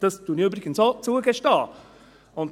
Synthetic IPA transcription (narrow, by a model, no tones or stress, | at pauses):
d̥ɑsd̥uniyːbɾɪɡ̥ənsot͡suəɡɛʃtɑː | ʊnt